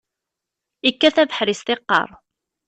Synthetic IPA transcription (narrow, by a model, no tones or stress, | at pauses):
ikːæθævəħɾist̪ɪqːə̰ɾˤ